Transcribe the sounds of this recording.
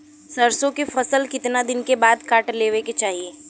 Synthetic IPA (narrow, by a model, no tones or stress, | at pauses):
sɐɾsõkefɐsəlkɪt̪nad̪ɪnkebaːd̪kaːʈleːʋeket͡ʃaːɦieː